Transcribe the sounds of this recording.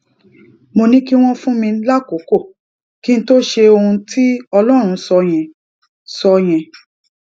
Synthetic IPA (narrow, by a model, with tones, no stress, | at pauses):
mo˧nĩ˦ki˦w̃ɔ̃˦fũ˦mĩ˧˦la˦ko˨˦ko˦˨ | ki˦n̩˦to˦ʃe˧o˧hũ˧tʰi˦ɔ˧lɔ˦˨ɾ̃ũ˧sɔ˧j̃ɛ̃˨ | sɔ˧j̃ɛ̃˨